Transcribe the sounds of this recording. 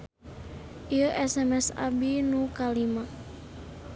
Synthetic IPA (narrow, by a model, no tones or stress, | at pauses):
ʔiəʔɛsɛmɛsa̰binukalima